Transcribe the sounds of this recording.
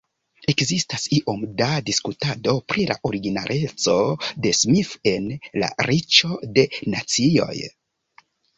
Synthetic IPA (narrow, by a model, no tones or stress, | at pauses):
e̞kzistasiʔo̞mdadiskutado̞pɾila̰ʔoɾiɡina̰ɾʔe̞t͡so̞de̞smife̞nla̰ɾit͡ʃo̞de̞na̰t͡sio̞̰j